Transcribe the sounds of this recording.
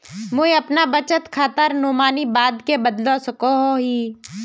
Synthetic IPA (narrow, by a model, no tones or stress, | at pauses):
mʊ̃ɐpnabət͡ʃət̪kʰaːt̪əɾnoːmaːnibaːd̪kebəd̪losɐkoɦoɦiː